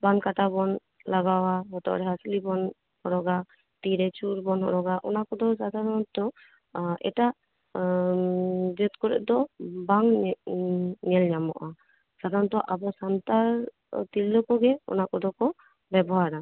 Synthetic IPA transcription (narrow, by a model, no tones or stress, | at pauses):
bankaʈabɔn | laɡawaɦɔt̪ɔ̰ʔɾɛɦaslibɔn | hɔɾɔɡa | t̪iɾɛt͡ʃuɾbɔnɦɔ̰ɾɔɡaʔɔ̰nakɔd̪ɔsad̪ʱaɾɔnt̪ɔ | ɛ̰ʈaʔ | d͡ʒɛt̪kɔɾɛ̰ʔd̪ɔbaŋ | ɲɛlɲamɔ̰ʔa | sad̪ʱaɾɔnt̪ɔʔabɔsant̪aɾ | t̪ilːɔkɔɡɛɔ̰nakɔd̪ɔkɔ | bɛbɔɦaɾa